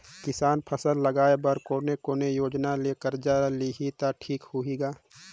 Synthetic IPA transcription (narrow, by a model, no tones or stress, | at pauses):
kɪsaːnpʰəsəlːəɡaːebəɾkoːnekoːnejoːd͡ʒnaleːkəɾd͡ʒaliɦit̪aʈʰiːkhʊiɡaː